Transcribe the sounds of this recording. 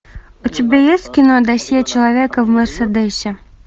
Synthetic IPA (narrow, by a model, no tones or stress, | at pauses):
ʊtʲɪbʲajesʲtʲkʲɪnod̪ɐsʲet͡ɕɪlˠɐvʲekəvmʲərsʲəd̪ɛsʲɪ